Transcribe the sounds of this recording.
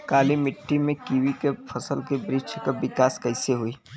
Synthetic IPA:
kaːlimɪʈːimẽkiwikepʰɐsəlkebɾɪt͡ʃʰkabɪkaːskɐɪseɦoi

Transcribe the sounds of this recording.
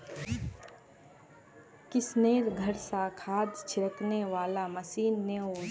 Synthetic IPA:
kɪsneːɾɡʱəɾsakʰaːd̪t͡ʃʰɪɾəkneʋaːlaməsiːnːeo

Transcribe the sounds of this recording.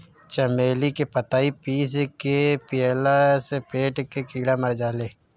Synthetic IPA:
t͡ʃɐmeːlikepət̪aːipiːs̬kepɪɛlasepeːʈkekiːɽamɐɾd͡ʒaːleː

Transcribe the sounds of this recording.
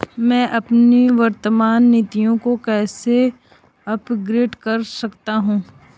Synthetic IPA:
mɛ̃ːʔɐpniʋɐɾt̪əmaːnːiːt̪ijõkokɛːse | ɐpɡɾeːʈkɐɾsɐkt̪aɦũː

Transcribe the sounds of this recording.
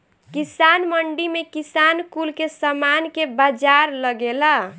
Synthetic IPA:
kisanməɳɖimekisankulkesəmankebad͡ʒaɾləɡela

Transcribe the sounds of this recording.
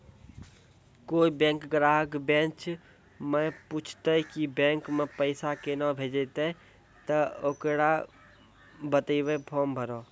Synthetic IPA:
koːibẽːŋkɡɾaːɦəkbẽːt͡ʃʰ | mə̃put͡ʃʰt̪əkibẽːŋkmẽpəɪsakenəbʱeːd͡ʒet̪e | t̪əoːkɽa | bət̪iʋepʰoːmbʱəɾoː

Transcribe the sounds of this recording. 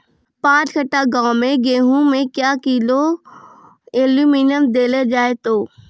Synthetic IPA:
pãːt͡ʃkəʈaɡaːmẽɡeːɦũmẽkjaːkilo | eːljuminəmd̪eːled͡ʒaːet̪oː

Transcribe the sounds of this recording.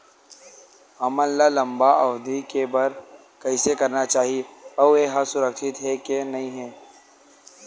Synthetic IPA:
ɦɐmɐlːalɐ̃mbaʔɐʋd̪ʱikebɐɾ | kɐɪsekɐɾnat͡ʃaːɦieɔeɦɐsʊɾəkʃɪt̪ɦɛkenɐĩɦɛː

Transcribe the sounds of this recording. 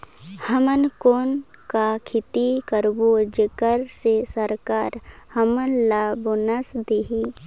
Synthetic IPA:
həmənkoːn | kakʰɪt̪ikəɾbod͡ʒekəɾsesəɾkaːɾ | həmənlabonəsd̪eɦi

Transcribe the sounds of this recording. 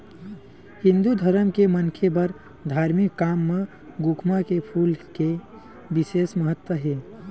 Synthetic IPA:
hĩnd̪ud̪ʱəɾəmkemənkʰebəɾ | d̪ʱaːɾmikːaːmːe | ɡukʰmakepʰuːlke | bɪseːsməɦət̪wəɦeː

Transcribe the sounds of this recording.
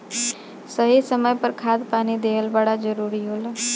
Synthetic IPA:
səɦisəməjpəɾkʰaːd̪paːnid̪eːɦəlbəɽad͡ʒəɾuːɾiɦoːla

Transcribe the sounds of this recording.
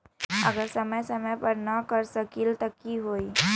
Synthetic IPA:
ə̰ɡəɾsəməjsɐməjpəɾnɐkəɾsəkɪlt̪ɐkiɦoːi

